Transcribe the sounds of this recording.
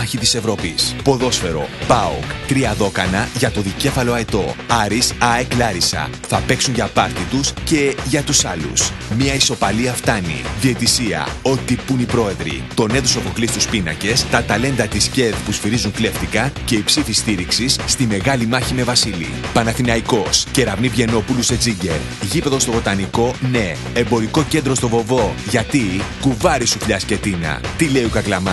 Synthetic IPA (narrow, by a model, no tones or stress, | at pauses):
ɐçit̪ise̞vɾo̞pispo̞ðo̞sfe̞ɾo̞̰pɐokt̪ɾiɐðo̞kɐnɐʝɐt̪o̞ðice̞fɐlo̞ɐet̪o̞ɐɾisɐeklɐɾisɐ̰θɐpe̞ksunʝɐpɐɾt̪it̪usce̞ʝɐt̪usɐlṵs | miɐiso̞pɐliɐft̪ɐnḭðie̞t̪isiɐ̰o̞t̪ipunipɾo̞e̞ðɾḭt̪o̞ne̞ðusofo̞klist̪uspinɐ̰ce̞st̪ɐt̪ɐle̞nd̪ɐt̪isce̞ðpusfiɾizuŋkle̞ft̪ikɐce̞ipsiθist̪iɾiksisːt̪ime̞ɣɐlimɐçime̞vɐsilḭpɐnɐθinɐiko̞sce̞ɾɐvnipʝe̞no̞puluse̞d͡ziɲɟe̞ɾ | ʝipe̞ðo̞st̪ovo̞t̪ɐniko̞ne̞ | embo̞ɾiko̞ce̞nd̪ɾo̞st̪o̞fo̞vo̞ʝɐt̪ikuvɐɾisufʎɐsce̞t̪inɐ̰t̪ile̞iukɐklɐmɐ